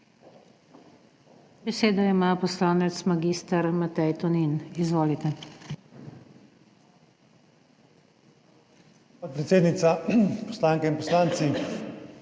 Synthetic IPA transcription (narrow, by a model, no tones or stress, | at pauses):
bɛseːd̪ɔimapɔslaːnɛt̪smaɡist̪aɾmat̪ɛjt̪ɔninizʋoːlit̪ɛ | pot̪̚pɾɛt̪seːd̪nit̪sapɔ̥slaːŋkɛinpɔslaːnt̪si